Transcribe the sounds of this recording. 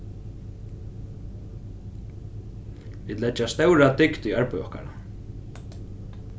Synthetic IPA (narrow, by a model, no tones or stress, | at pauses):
viːd̪lɛt͡ʃːast̪œwɾat̪ɪkt̪iaɹpɪvɔ̰hka̰ɾa̰